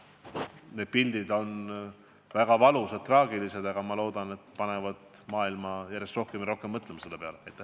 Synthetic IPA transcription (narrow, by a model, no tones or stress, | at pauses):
ne̞d̪̥̚pild̪̥id̪̥o̞n | væɡ̥ɑvɑlusɑdt̪̚t̪ːrɑːɡilise̞d̪̥ɑɡɑmɑlo̞ːd̪ɑnet̪ːpɑne̞vɑd̪̥ | mɑːilmɑjæɾjest̪ro̞hkemiɾo̞hke̞mːɤt̪ːˑlemɑse̞lːe̞pe̞ɑleɑjt̪ːˑæ̥h